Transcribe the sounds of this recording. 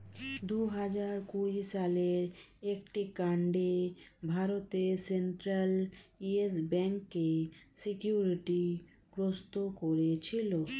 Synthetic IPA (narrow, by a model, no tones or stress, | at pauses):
d̪uɦad͡ʒaɾkuisaleɾek̚ʈikaɳɖebʱaɾot̪eseɳʈɾaliesbɛŋkːesikjuɾiʈi | ɡɾost̪okoɾet͡ɕʰilo